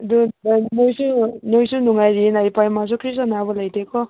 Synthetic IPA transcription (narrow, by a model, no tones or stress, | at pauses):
dudnojsunojsunuŋajɾinajpajmas̬ukʰɾis̬anabɔlajtʰekɔ